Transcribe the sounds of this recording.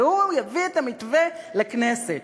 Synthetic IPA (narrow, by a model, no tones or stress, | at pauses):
ujavitamitvɛlaknɛsɛt